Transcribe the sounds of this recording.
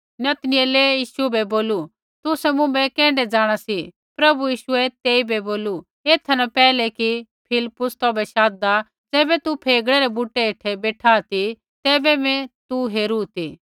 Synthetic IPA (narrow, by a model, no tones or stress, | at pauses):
nɐt̪nɪɛlejiːʃubɛboːlu | t̪ʊsɛmʊ̃mbɛkɛ̃ːɳɖɛd͡zaːɽ̃asi | pɾɐbujiːʃʊɛt̪eːibɛboːlu | eːt̪ʰɐnapɛːlɛkipʰɪlɪpːʊst̪ɔːbɛʃaːd̪d̪a | d͡zɛːbɛt̪upʰeːɡɽɛɾɛbuːʈːɛeːʈʰɛbeːʈʰaːt̪i | t̪ɛːbɛmɛ̃t̪uɦeːɾut̪iː